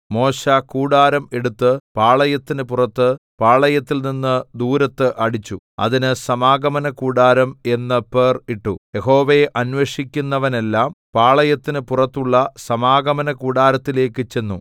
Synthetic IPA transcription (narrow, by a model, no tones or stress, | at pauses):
mo̞ːɕɐkuːɽaːɾɐme̞ɽut̪ːɨpaːɭɐjɐt̪ːinɨpurɐt̪ːɨpaːɭɐjɐt̪ːilninːɨd̪uːɾɐt̪ːɨʔɐɽit͡ɕːu | ɐ̰ðinɨsɐmaːɡɐmɐnɐkuːɽaːɾɐme̞nːɨpeːriʈːuje̞ɦo̞ːʋeʔɐnʋeʂikʲːunːɐʋɐne̞lːaːmpaːɭɐjɐt̪ːinɨpurɐt̪ːuɭːɐsɐmaːɡɐmɐnɐkuːɽaːɾɐt̪ːile̞ːkːɨt͡ɕe̞nːṵ